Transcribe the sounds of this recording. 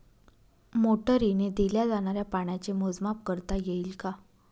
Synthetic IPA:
moʈəɾined̪iljad͡zaɽ̃aɾjapaɽ̃jat͡semod͡zmap̚kəɾt̪ajeilka

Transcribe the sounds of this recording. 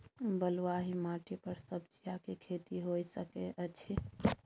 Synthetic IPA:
bəlaɦimaʈipəɾsəbd͡ʒijakekʰet̪iɦojsəkeʔət͡ʃʰi

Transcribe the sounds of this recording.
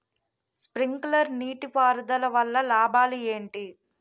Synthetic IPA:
spɾiŋklɐɾniːʈipaːɾud̪ɐlɐʋɐlːɐlaːbaːlieːɳʈi

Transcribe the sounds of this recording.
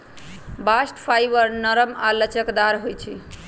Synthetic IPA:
basʈpʰajbəɾnəɾəmalət͡ʃəkd̪aɾɦojt͡ʃʰi

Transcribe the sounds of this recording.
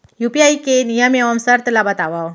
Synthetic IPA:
jupiaikenijameəmsaɾt̪əlabat̪aʋaw

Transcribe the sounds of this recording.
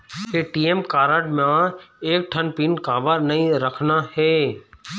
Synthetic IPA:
ɦeʈiːemkaːɾəʈmãːeːk̚ʈʰənpiːnkaːʋəɾnɐɦĩɾəkʰnaheː

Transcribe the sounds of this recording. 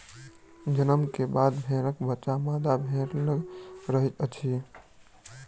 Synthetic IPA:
d͡ʒənəmkebad̪bʱẽɾəkbətːʃamad̪abʱẽɾləɡɾəɦit̪ət͡ʃʰi

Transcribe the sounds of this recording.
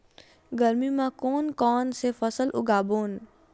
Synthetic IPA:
ɡəɾmimãkoːnkɔːnsefʰəsəlʔʊ̰ɡaːboːn

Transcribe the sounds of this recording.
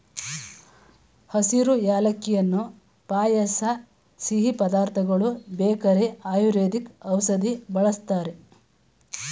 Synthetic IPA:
hɐsiɾujaːlɐkːijɐnːu | paːjɐsɐ | siɦipɐd̪aːɾt̪ʰɐɡɐɭubeːkɐɾeaːjuɾeːd̪ikɐwsɐd̪ibɐɭɐst̪aːɾe

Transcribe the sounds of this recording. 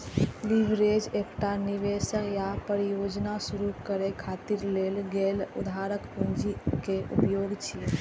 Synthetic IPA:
liʋɾed͡ʒekʈaniʋesəkjapəɾijod͡ʒnasuɾukəɾekʰaːt̪iɾleːlɡelṵd̪ʱaɾəkpund͡ʒikeʔṵpjoːɡt͡ʃʰi

